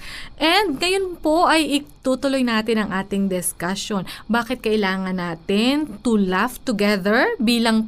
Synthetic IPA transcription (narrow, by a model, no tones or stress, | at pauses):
ʔɛnd̪̚ŋɐjonpo̞ʔɐjʔɪt̪ut̪ʊlo̞jnaːt̪ɪnɐŋʔaːt̪ɪŋd̪ɪskɐso̞nbaːkɪt̪̚kɐʔɪlaːŋɐnːaːt̪ɪnt̪ʊlaft̪ʊɡɛðɛɹbiːlɐŋ